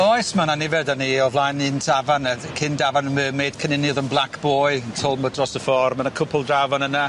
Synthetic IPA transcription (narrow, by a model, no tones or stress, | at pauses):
ɔjsmananɪvɛdaniɔvlˠajnɪntʰavanəkʰɪndavanəməːmeːd̥kʰənɪnjɔðənblˠakʰb̥oːɨntʰɔlˠmədrɔsəfɔːrmanakʰʊpʰəlˠdravanəna